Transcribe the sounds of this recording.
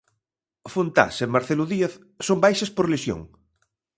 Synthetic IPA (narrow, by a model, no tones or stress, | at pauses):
font̪a̰semmaɾθeluðieθ | sombajʃɐspoɾliʃjo̰ŋ